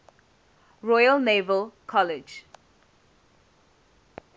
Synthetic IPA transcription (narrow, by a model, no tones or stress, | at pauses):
ɹɔjəlneːvəlkʰɔlɪd͡ʒ